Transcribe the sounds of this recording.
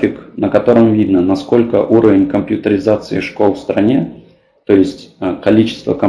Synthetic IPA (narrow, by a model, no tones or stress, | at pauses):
fʲɪknəkɐt̪o̞ɾəmvʲid̪nənɐsko̞lʲkə̰ʔuɾəvʲɪnʲkəmpʲjʊt̪əɾʲɪzat̪sɨɪ̰ʂko̞lˠfst̪ɾɐnʲe | t̪o̞jɪsʲtʲkɐlʲit͡ɕɪ̥st̪və̰kə